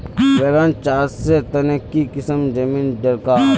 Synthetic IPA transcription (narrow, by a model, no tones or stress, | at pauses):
beːɾãnt͡ʃaːɾset̪ɐnekːikɪsəmd͡ʒɐmĩːnɖɐɾkaː